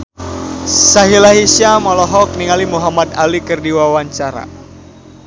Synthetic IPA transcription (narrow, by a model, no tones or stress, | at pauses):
saɦilaɦisiamɔlɔɦɔk̚niŋalimuɦamat̪̚alikɨrdiwawaɲt͡ʃaɾa̰